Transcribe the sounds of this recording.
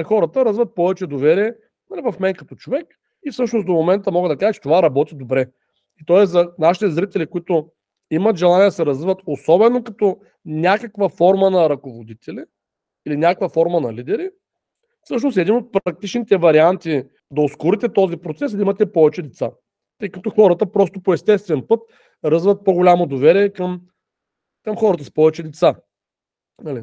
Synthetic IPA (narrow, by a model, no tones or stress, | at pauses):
xɔɾət̪əɾɐzvət̪̚pɔvɛt͡ʃɛd̪ovɛɾiɛ | nɐlivɐfmɛnkɐt̪ɔt͡ʃovɛk | ifsɤʃnosd̪omomɛnt̪əmɔɡəd̪ɐkaʒət͡ʃɛ̥t̪ovaɾɐbɔt̪id̪obɾɛ | it̪ɔɛszɐnaʃi̥t̪ɛzɾit̪ɛlikʊit̪ʊ | imət̪ʒɛlˠanʲid̪ɐsɛɾɐzvivət̪osɔbɛnokɐt̪ɔ | nʲakəkvəfɔɾmənɐɾɐkovod̪it̪ʰɛli | ilinʲakkvəfɔɾmənɐlid̪ɛɾi | fsɤʃ̬nost̪ɛd̪inot̪̚pɾɐk̚t̪it͡ʃnit̪ɛvɐɾiant̪i | d̪ɐoskʊɾit̪ɛt̪ɔzipɾot̪sɛsd̪imɐt̪ɛpɔvɛt͡ʃɛd̪ɛt̪sa̰ | t̪ɤjkɐt̪ɔxɔɾət̪əpɾɔst̪opoɛst̪ɛst̪vɛnpɤt̪̚ | ɾɐzvət̪̚poɡolʲamod̪ovɛɾiɛkɐm | kɐmxɔɾət̪əspɔvɛt͡ʃɛd̪ɛt̪sa | nɐli